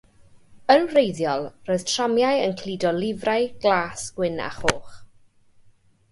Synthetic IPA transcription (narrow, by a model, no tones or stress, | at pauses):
ənrejðjɔlˠroːɨð̥tʰr̥amjajənkʰliːdɔlɪvrajɡ̥laːsɡ̥wɪna̰χoːχ